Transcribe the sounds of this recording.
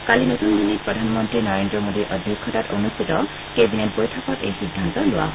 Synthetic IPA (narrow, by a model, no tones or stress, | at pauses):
kalinot̪und̪ʱinik̚pɹɔdʱanmɔntɹinɔɹendɹɔmodiʔɔd̪ʱjukʰːɔtatonust̪ʰit̪ɔ | kebinet̚bojtʰapɔtḛjsidʱːantɔlʊa̰ɦ